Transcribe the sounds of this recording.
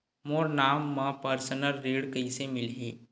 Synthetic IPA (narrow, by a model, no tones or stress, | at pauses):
moːɾnaːmːãpəɾsənəɾːiːɽkɐisemɪlɦeː